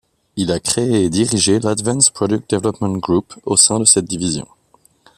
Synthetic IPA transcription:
ilakχeːd̪iʁiʒelad̪vãnspχɔd̪yk̚t̪̚d̪evlɔpmɑ̃t̪ɡʁuposɛ̃d̪əsɛt̪̚d̪ivizjɔ̰̃

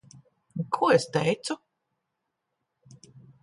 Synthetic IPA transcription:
kʰuɔest̪ɛjt̪su

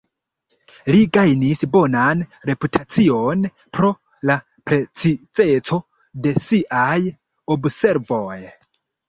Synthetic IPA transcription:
liɡajnisbo̞nanɾe̞putʰat͡sio̞n | pɾo̞ | la | pɾe̞t͡sit͡se̞t͡so̞ | de̞siʔaj | obse̞ɾvo̞j

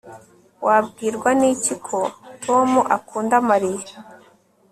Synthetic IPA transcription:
wʔab̚ɡiːɾɡwaniːcikʰo̞tʰo̞muʔakuːndamaɾij

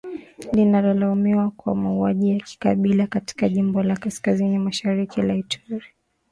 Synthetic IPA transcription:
ninalalaumiwakwa̰mauaʄijaki̥kaɓilakati̥kaʄimbɔlakaskazinimaʃaɾikilaitʰɔɾi

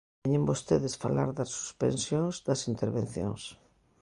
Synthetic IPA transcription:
ɲẽmbost̪eðɪsfa̰la̰ɾðɐsːu̥spḛ̃nsjoŋzd̪ɐsint̪eɾβen̟θjõ̰ŋs

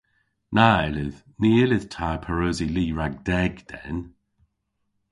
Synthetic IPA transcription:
naɪlɪð | niːɪlɪð̥tʰaːpʰəɹoːziliːɹaɡ̚d̥ɛɡd̪̥ɛ̰n

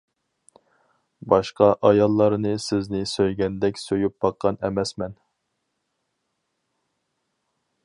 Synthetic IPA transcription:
bɑʃqɑʔɑjɑlˠːɑɾnɨsɪznɪsøjɡʲɛnd̪ɛkʲsøjup̚bɑqʰːɑnɛmɛsmɛn

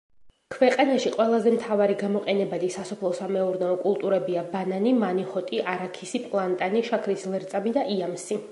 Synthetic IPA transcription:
kʰvɛqʼanaʃiqʼwɛlˠazɛmt̪ʰavaɾiɡamɔqʼɛnɛbad̪isasɔpʰlˠɔsamɛuɾnɛɔkʼulˠt̪ʼuɾɛbiabananimaniχɔt̪ʼiʔaɾakʰisipʼlˠant̪ʼaniʃakʰɾislɛɾt̪sʼamid̪aʔiamsi

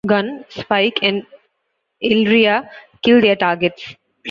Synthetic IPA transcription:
ɡʌ̃nspaɪkʰɛ̃ɳɖ | ɪlɾiakɪld̪eɾʈaːɾɡeʈs

